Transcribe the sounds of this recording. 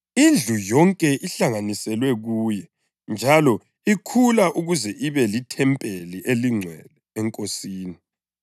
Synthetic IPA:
ind͡ɮʱujɔŋkʼɛʔiɬaŋanisɛlwɛɣuːjɛ | nd͡ʒʱalɔ | ikʰulaʔuɣuzɛʔiβɛlitʰɛmpʼeliʔeliŋ͡ǀʱwɛ̰lɛɛŋkʼosiːni

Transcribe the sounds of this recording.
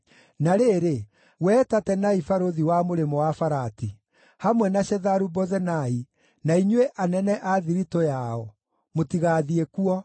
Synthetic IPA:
naɾeːɾe | wɛːtatɛnaifaɾoðiwamoɾemɔwafaɾati | hamwɛnaʃɛðaɾubɔzɛnai | naiɲuweʔanɛnɛʔaðiɾitojaɔ | motiɣaːðiekuɔ

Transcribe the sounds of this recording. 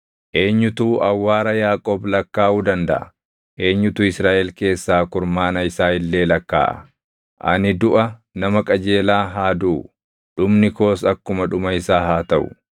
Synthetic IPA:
ʔe̞ːɲːʊt̪uːʔɐwːaːɾɐjaːkʼoːblɐkːaːʔuːd̪ɐnd̪ɐ̰ʔɐ̰ | ʔe̞ːɲːʊt̪uːɪsɾaːʔɛlke̞ːsːaːkʊɾmaːnɐɪsaːɪlːe̞ːlɐkːa̰ːʔɐ̰ | ʔɐ̰nɪd̪ʊʔɐ | nɐmɐkʼɐd͡ʒe̞ːlaːɦaːd̪uː | ᶑʊmnɪko̞ːsɐkːʊmɐᶑʊmɐɪsaːɦaːt̪ɐʔʊ̰

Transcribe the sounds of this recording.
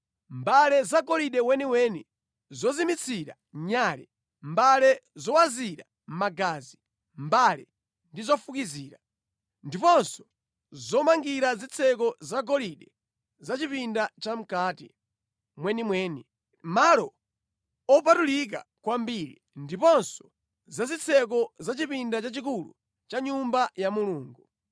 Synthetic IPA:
mbalɛzaɡɔliɗɛwɛniwɛni | zɔzimit͡sʰiɾa̰ | ɲaːlɛ | mbalɛzɔwaziɾa | m̩maɡazi | mbalɛ | ndizɔfukiziːɾa | ndipɔnsɔ̥ | zɔmaŋɡiɾazit͡sʰɛk̬ɔzaɡɔliɗɛ | zat͡ʃipindat͡ʃam̩kaːtḭ | mwɛnimwɛːni | malɔ | ɔpatulik̬a̰kwambiɾḭ | ndipɔnsɔ̥ | zazit͡sʰɛk̬ɔzat͡ʃipindat͡ʃat͡ʃik̬ulṵ | t͡ʃaɲumbajamuluːŋɡu

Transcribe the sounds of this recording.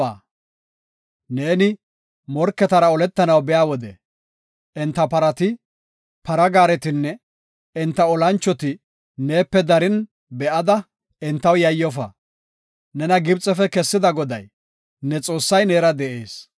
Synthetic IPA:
aː | ne̞ːnɪ | mɔɾkːɛt̪ɐɾɐɔlɛt̪ːɐnɐwbɛjaːwɔd̪ɛ̰ | ʔɪnt̪ːɐpɐɾɐt̪ɪ | pɐɾɐɡaːɾɛt̪ɪnːɛ | ɪnt̪ːɐɔlɐnt͡ʃːɔt̪ɪ | ne̞ːpːɛd̪ɐɾɪn | bɛʔɐd̪ɐ | ɪnt̪ːɐwjɐjːɔfɐ̰ | nɛnɐɡɪbt͡sʼːɛfɛkɛsːɪd̪ɐɡɔd̪ɐj | nɛt͡sʼo̞ːsːɐjneːɾɐd̪ɛʔḛːs

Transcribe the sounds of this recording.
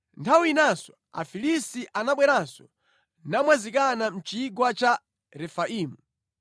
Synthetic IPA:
ntʰawinasɔ̥ | a̰filisiʔanaɓwɛɾansɔ | namwazikanam̩t͡ʃiɡwat͡ʃa | ɾɛfaiːmu

